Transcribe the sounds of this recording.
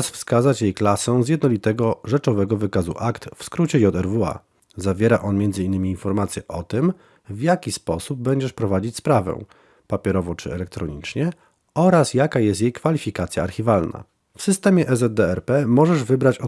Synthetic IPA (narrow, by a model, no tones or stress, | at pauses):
sfskazat͡ɕjejklasɔ̃w̃zʲjɛd̪nɔlʲit̪ɛɡɔʐɛt͡ʂɔvɛɡɔvɘkazṵʔakt̪fskɾut͡ɕɛjɔt̪ɛɾvua̰ | zavʲjɛɾaʔɔnmʲjɛndzɘinːɘmʲiːnfɔɾmat̪sʲjɛʔɔt̪ɘm | vjakʲispɔsub̚ːɛɲd͡ʑɛʂpɾɔvad͡ʑit͡ɕspɾavɛ̰̃ | papʲɛɾɔvɔt͡ʂɘ̰ɛlɛk̚t̪ɾɔɲḭt͡ʂɲɛ | ʔɔɾasjakajɛst̪jejkfalʲifʲikat̪sʲjaːɾxʲivalna̰ | fsɘst̪ɛmʲjɛʔɛzɛd̪̚d̪ɛɛɾpɛmɔʐɛʐvɘbɾat͡ɕɔ